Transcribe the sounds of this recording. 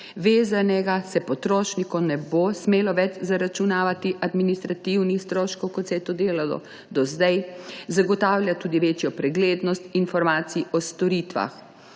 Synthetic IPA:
ʋeːzanɛɡasɛpɔt̪ɾoːʃnikɔnɛbosmeːlɔʋɛt͡ʃzaɾat͡ʃunaːʋat̪iʔad̪minist̪ɾat̪iwnixst̪ɾoːʃkɔwkɔt̪sɛjɛt̪od̪eːlalɔ̰ | d̪ɔzd̪ajzaɡɔt̪aːwlʲjat̪uːd̪iʋeːt͡ʃjɔpɾɛɡleːd̪nɔst̪infɔɾmaːt̪siiʔɔst̪ɔɾiːt̪ʋa̰x

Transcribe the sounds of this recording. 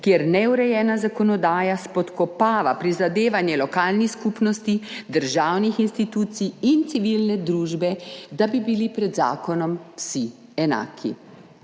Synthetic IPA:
kjeɾnɛuɾɛjɛːnazakɔnɔd̪aːjaspɔt̪kɔpaːʋapɾizad̪eːʋanjɛlɔkaːlnixskupnɔst̪id̪əɾʒaːwnixinst̪it̪uːt̪sijint̪siʋilnɛd̪ɾuːʒbɛd̪abibilipɾɛd̪za̰ːkɔnɔmwsi | ɛna̰ːkʰḭ

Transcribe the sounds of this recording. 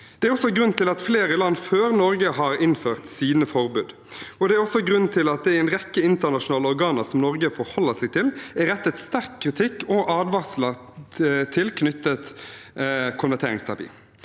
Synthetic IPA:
d̪̥ɛæɾɔsɔɡɾʉnt̪ʰɪlɑt̪fleːɾəlɑnːføːɾnɔɾɡəɦɑɾɪnføːʁt̪siːnəfɔʁbʉːd̪ | ɔd̪ɛæɾɔsɔɡɾʉnt̪ʰɪlɑt̪̚d̪ɛæɪnʁɛkːəɪnt̪ənɑʂʊnɑːlɔʁɡɑːnəsɔmnɔɾɡəfɔɾhɔlːəsɛɪɡ̚t̪ʰɪlæʁɛt̪ːət̪st̪æʁkʰːɾɪt̪ʰɪkːɔʔɑːd̪ʋɑʁslə | t̪ʰɪlkʰnʏt̪ːət̪ | kʰʊnʋæʁt̪ʰeːɾɪŋst̪ʰɑpʰḭː

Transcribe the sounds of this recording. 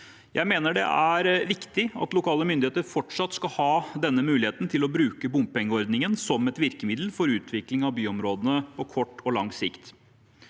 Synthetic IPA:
jʔæ̰ɪmeːnəɖɛ̰ʔæɾʋɪkt̪ɪɑ̰t̪lʊkʰɑːləmʏnd̪ɪeːt̪əɾfɔʈʂɑt̪ːskɑhɑːd̪ɛnːəmʉːlɪheːt̪nt̪ʰɪlɔbɾʉːkəbʊmppɛŋːəɔɾd̪nɪŋənsɔmɛt̪ʋɪɾkəmɪd̪l̩fɔɾʉːt̪ʰʋɪklɪŋɑʋbyːɔmɾoːd̪ənəpʰɔkʰɔʈːɔlɑŋːsɪkt̪

